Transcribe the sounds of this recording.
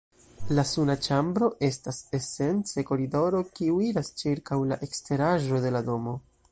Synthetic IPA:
lasunat͡ʃambɾo̞ʔe̞stase̞se̞nt͡se̞ko̞ɾido̞ɾo̞kiuiɾast͡ʃiɾkawlaʔe̞kste̞ɾaʒo̞de̞lado̞mo̞

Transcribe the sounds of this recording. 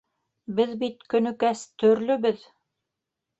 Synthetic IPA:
bɘðbit̪̚kɵ̆nɵ̆kæst̪ɵ̆ɾlɵ̆bɘð

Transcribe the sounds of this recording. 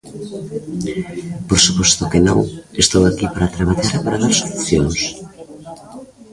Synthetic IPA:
poɾsupost̪okenõŋest̪owakipaɾat̪ɾaβ̞aʎaɾapaɾaðaɾsouθjoŋs

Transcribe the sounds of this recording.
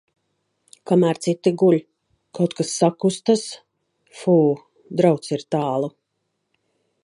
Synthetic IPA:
kamæːɾt̪sit̪iɡulʲ | kawt̪kasːakust̪as | fuː | d̪ɾawt̪siɾt̪aːlˠu

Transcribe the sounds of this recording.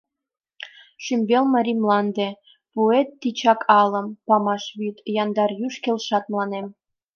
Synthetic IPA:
ʃymbelmə̆ɾʲimlɑnd̪ĕ | puet̪ːit͡ɕɑkʰɑlə̆mpɑmɑʃβyt̪jɑnd̪ɑrjyʃkelʃɑt̪̚mlˠɑnem

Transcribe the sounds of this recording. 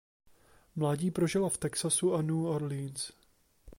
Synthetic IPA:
mlaːɟiːpɾoʒɪlaft̪ɛksasuʔanuːaɾliːns

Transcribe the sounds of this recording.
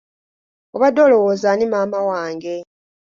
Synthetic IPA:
oβadolo̞woːzanimaːmawaːŋɡe̞

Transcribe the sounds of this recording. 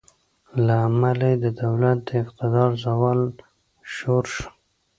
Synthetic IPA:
laːmalad̪əd̪awlat̪̚d̪əɪqt̪ɪd̪ɑɾzawɑl | ʃoɾʃə̥

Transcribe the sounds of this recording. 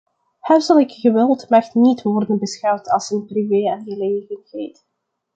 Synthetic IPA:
hɛrzɑlˠɪkɣəʋɪlˠtmɛxtnitʋɔrdənbəsxɑwtʰɑlˠsənprivejanɣəleːɣəntet

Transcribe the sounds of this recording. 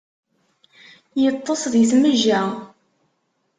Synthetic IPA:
jət̪ˤːɑsˤðjəθməʒæ

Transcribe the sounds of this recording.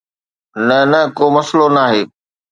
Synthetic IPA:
nɐnɐkoːmɐslonaːɦeː

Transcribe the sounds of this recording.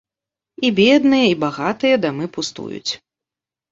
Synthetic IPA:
ibʲɛd̪nɨjɐibaɣat̪ɨjɐd̪amɨpust̪ṵjṵt͡sʲ

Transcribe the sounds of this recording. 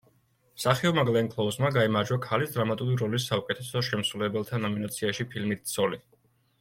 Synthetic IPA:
saχiɔmaɡlɛŋkʰlˠɔvzmaɡaimaɾd͡ʒwakʰalisd̪ɾamat̪ʼuɾiɾɔlis̬ːaukʼɛt̪ʰɛsɔʃɛmsulɛbɛlˠt̪ʰanɔminat̪sʰiaʃipʰilmit̪̚ʰt̪sʰɔli

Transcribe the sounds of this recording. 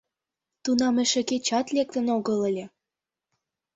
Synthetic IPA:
t̪unɑmĕʃĕket͡ɕɑt̪lek̚t̪ə̆noɣɤlə̆lʲĕ

